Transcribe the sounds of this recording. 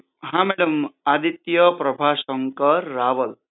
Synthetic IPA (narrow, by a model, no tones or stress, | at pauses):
ɦãmeɽʌmad̪it̪jʌpɾɐbʱasʌŋkʌːaːʋʌl